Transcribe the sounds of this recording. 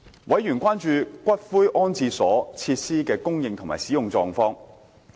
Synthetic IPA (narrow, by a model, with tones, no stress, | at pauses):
wɐ˨˥jjyː˨˩nkʷaː˥nt͡ʃyː˧kʷɐ˥t̚fuː˥jʔɔː˥nt͡siː˧sɔː˨˥t͡sʰiː˧t̚siː˥kɛː˧kʊ˥ŋjɪ˨˧ŋt̪ʰʊ˨˩ŋma̰ː˨˩jsiː˨˥jʊ˨ŋt͡sɔː˧ŋfɔː˥ŋ